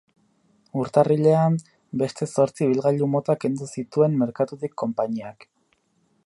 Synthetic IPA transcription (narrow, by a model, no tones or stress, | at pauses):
uɾt̪ariʎe̞am | be̞st̪e̞so̞ɾt͡siβ̞ilɣaʎumo̞t̪ake̞nd̪usit̪ue̞mːe̞ɾkat̪ut̪ikʰːo̞mpaɲiak